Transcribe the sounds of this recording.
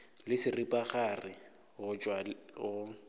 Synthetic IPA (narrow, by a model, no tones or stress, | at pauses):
lɪsɪripʼaχarɪ | ɣʊt͡ʃʼwaɣʊ